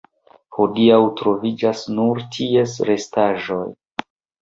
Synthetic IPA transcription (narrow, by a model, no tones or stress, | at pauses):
hodiawtɾo̞vid͡ʒasnuɾtʰie̞sɾe̞staʒo̞̰j